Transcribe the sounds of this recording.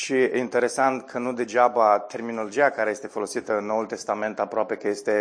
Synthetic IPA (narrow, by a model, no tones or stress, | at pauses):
ʃiint̪e̞ɾe̞sant̪kʰənud̪e̞d͡ʒabat̪e̞rminolo̞d͡ʒijakaɾejest̪e̞fo̞lo̞sit̪əɨnːo̞ult̪e̞st̪ame̞nt̪apɾoape̞kəje̞st̪e̞